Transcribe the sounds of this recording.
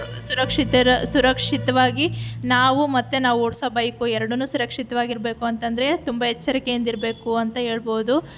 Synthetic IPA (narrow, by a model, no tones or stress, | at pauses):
suɾɐkʂit̪ɐɾɐsuɾɐkʂit̪ɐʋaːɡinaːʋumɐt̪ːenaːʋuoɽsoːbɐjkuɛɾɐɽɐnːuːsuɾɐkʂit̪ɐʋaːɡiɾbe̞ːkuɐnt̪ɐnd̪ɐɾe̞t̪umbɐɦɛt͡ʃːɐɾikejɐnd̪iɾɐbe̞ːkuɐnt̪ɐɦe̞ːɭbo̞ːd̪u